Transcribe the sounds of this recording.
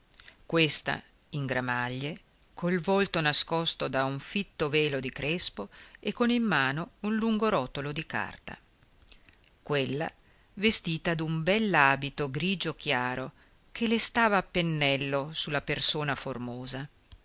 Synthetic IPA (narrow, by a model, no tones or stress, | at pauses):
kwest̪a̰ | iŋɡɾamaʎːe | kʰolvolt̪onaskɔst̪od̪auɱfit̪ːovɛːlod̪ikɾespoekːonimːaːnounluŋɡoɾɔːt̪olod̪ika̰rt̪a̰ | kwelːa̰ | vest̪iːt̪ad̪umbɛlːaːbit̪oɡɾiːd͡ʒok̟jaːɾo | kʰelest̪aːvaːpːenːɛlːosulːapersoːnaformoːza